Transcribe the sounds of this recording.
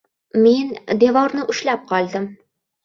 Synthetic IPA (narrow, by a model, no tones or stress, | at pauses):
mend̪evɒɾnəʔɵ̆ʃlæp̚qɒlˠd̪ɘm